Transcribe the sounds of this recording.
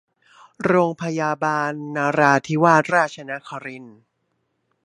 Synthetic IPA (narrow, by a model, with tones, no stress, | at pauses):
ɾoː˧ŋpʰa˧jaː˧baː˧nːaː˧ɾaː˧t̪ʰi˦waː˥˩t̪̚ɾaː˥˩t̪̚t͡ɕʰa˧na˦˥kʰa˧ɾi˧n